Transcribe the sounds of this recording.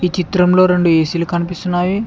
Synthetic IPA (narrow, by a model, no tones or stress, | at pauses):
iːt͡ʃit̪ɾɐmlo̞ːɾe̞ɳɖueːsilukɐnipist̪unːaːju